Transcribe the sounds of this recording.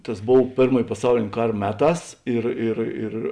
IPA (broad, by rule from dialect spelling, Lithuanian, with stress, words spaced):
tɐs ˈboːw ˈpʲeːrmoːj pɐˈsɐʊlʲeːnʲ ˈkɐr ˈmʲæːˌtɑːs ˈɪr ɪr ɪr